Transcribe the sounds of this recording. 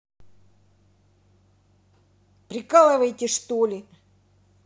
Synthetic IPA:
pɾʲɪkalˠəvəjt̪ʲɪʂt̪olʲɪ

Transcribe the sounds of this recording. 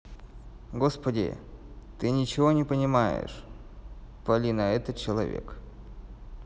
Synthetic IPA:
ɡo̞spədʲɪ̰t̪ɨnʲɪt͡ɕɪvo̞nʲɪpənʲɪmajɪ̰ʂ | pɐlʲinɐɛt̪ət̪̚t͡ɕɪlˠɐvʲḛk

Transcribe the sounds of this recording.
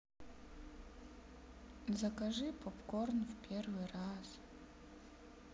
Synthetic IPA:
zakaʐɨpʰopkornvpʲervɨraz̥

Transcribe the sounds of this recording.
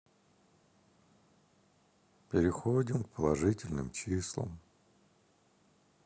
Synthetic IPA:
pʲɪɾʲɪxodʲɪmkpʰəlˠɐʐɨtʲɪlʲnɨ̰mt͡ɕislˠə̰m

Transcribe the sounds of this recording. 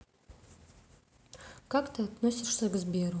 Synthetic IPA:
kakt̪ɨat̪nosʲɪʂsɐɡɨzbʲeɾu

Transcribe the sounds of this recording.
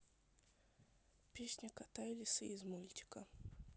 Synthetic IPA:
pʲesʲnʲəkat̪ajɪlʲɪsɨizmulʲt̪ʲɪ̥kə

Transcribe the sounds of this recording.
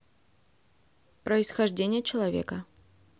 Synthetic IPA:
pɾəɪsxɐʐd͡zʲenʲɪjət͡ɕɪlˠavʲɛ̰kɐ

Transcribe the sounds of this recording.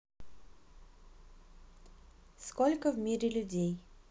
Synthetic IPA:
skɔlʲkəvmʲiɾʲɪlʲudʲej

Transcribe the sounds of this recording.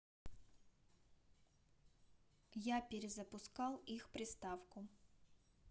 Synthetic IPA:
japʲɪɾʲɪzəpʊskalˠixpɾʲɪst̪afkʊ

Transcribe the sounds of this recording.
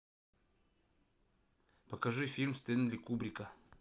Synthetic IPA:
pɐkɐʐɨfʲilʲmst̪end̪lʲikubɾʲikə

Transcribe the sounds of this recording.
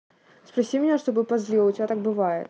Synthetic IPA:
spɾɐsʲimʲɪnʲaʂt̪obɨpɐzlʲilˠʊtʲɪbʲat̪ak̚bɨvajɪ̰t̪̚

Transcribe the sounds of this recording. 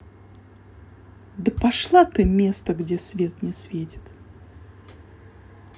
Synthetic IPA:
d̪əpaʂlˠat̪ɨmʲest̪əɡdʲesʲvʲet̪nʲɪsʲvʲetʲɪ̥t̪

